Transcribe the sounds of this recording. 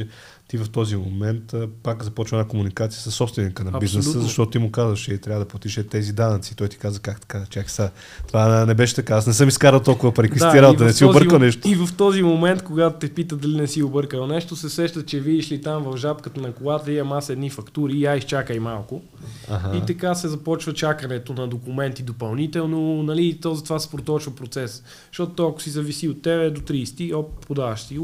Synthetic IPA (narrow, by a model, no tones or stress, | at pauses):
ɛ | t̪ivɐft̪ɔzimomɛnt̪ːpakzɐpɔt͡ʃvəɛnakomunikat̪sijəsɐsːɔpst̪vɛnikənɐbisznɛsəzɐʃt̪ɔt̪ot̪imʊkazvəʃt͡ʃɛt̪ɾʲavəd̪ɐpot̪iʃɛt̪ɛzid̪anət̪sit̪ɔjt̪i̥kazəkakt̪ɐ̥kat͡ʃaksa | t̪vanɛbɛʃɛ̥t̪ɐkaasnɛsɤmiskaɾəlˠt̪olˠkʊvəpɾɛkisiɾaovɐnɛsioəɾəlˠnɛʃt̪ot̪ivɐft̪ɔzimomɛnt̪koɡat̪ʊt̪ɛpit̪əd̪ɐlinɛsiobɤɾkəlˠnɛʃt̪osɛsɛʃt̪ət̪t͡ʃɛviiʃlit̪amvɐvʒapkət̪ənɐkolˠat̪ɐiɐmasɛd̪nifɐkt̪uɾiːaist͡ʃakəjmalˠkʊ | a̰ɦait̪ɐkasɛzɐpɔt͡ʃvət͡ʃakənɛt̪onɐd̪okʊmɛnt̪id̪opɐlˠnit̪ɛlˠnonɐlit̪ɔzɐt̪ovasɛ̥pɾot̪ɔt͡ʃvɐpɾot̪sɛs | ʃt̪ɔt̪ʊt̪ɔɐkʊ̥sizɐvisiot̪ːɛbɛd̪ot̪ɾist̪iɔppʊd̪avɐʃsi